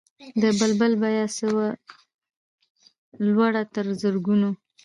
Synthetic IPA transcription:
d̪əbəlbəlbajɑsəwa | lwaɽat̪əɾzəɾɡuno

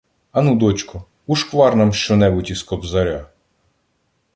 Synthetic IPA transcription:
ɐnud̪ɔt͡ʃkɔ | uʃkʋɑrnɐmʃt͡ʃɔnɛbʊtʲiskɔbzɐɾʲa

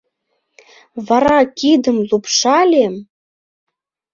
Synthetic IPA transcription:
vɑɾɑkʲid̪ə̆mlupʂɑlʲem

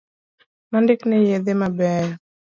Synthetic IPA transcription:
mandɪknɛjeðemabɛj

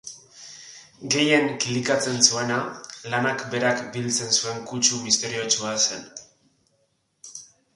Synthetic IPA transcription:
ɡe̞je̞ŋklikat͡se̞nsue̞nalanakbe̞ɾakbilt͡se̞nsue̞ŋkut͡ʃumist̪e̞ɾio̞t͡ʃuase̞̰n

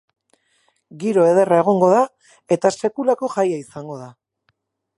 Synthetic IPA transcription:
ɡiɾo̞e̞ð̞e̞rae̞ɣ̞o̞ŋɡo̞ða | e̞t̪ase̞kulako̞ʝajaisaŋɡo̞ð̞a

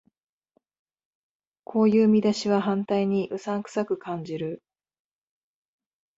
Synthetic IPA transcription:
kʰo̞ːjɯːmʲid̪aɕiβaɦãnt̪aiɲ̟iʔɯ̟sãŋkɯ̥sakɯ̟kʰãɲ̟d͡ʑiɾɯ̟

